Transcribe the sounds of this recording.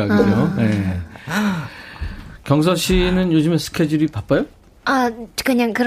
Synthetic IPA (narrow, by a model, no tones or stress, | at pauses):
aɡooje | kjʌŋsʰʌɕʰinɯnjod͡ʑɯmesʰɯ̥kʰe̞d͡ʑuɾipap͈ajo | akɯɲaŋkɯɾ